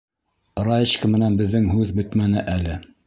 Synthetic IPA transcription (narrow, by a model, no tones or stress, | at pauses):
ɾɑjɘɕkɘmɘ̆nænbɘ̆ðːɘŋɦʉðbɵ̆t̪mænɘʔælɘ